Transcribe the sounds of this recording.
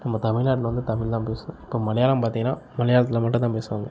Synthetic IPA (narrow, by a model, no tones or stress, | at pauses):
nɐmːɐt̪ɐmɪɭnaːʈʋɐnd̪ɯt̪ɐmɪɭt̪ãːpeːsɯʊ̃ɪpːoːmɐlɐjaːlɐmpaːɾt̪ĩŋɡɐnaːmɐlɐjaːlɐt̪̬ːɪlɐmɐʈːɯ̃t̪aːpeːsɯʋaːŋɡɐ